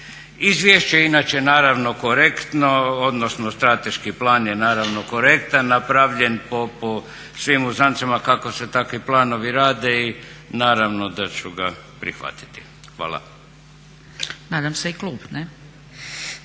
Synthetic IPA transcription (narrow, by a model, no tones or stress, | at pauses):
izʋjeʃt͡ɕeinat͡ɕenaːɾaʋno̞ko̞ɾe̞kt̪no̞od̪nosnost̪ɾat̪e̞ʃkiplaːnjenaːɾaʋno̞ko̞ɾe̞kt̪anːapɾaʋʎe̞npopo | sʋimuzant̪samakako̞se̞t̪akʋiplaːno̞ʋiɾaːd̪e̞inaːɾaʋno̞d̪at͡ɕuɡapɾḭxʋa̰t̪i̥t̪i̥ | xʋa̰ːlˠa̰ | naːd̪amseiklˠuːbne